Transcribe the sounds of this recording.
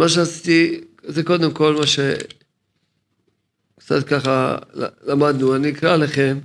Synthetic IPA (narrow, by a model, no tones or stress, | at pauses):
maʃ̬easit̪izeko̞d̪e̞mko̞lmaʃe | kt͡sa̰t̪̚kaχa̰lamad̪nuaniikʁalaχe̞m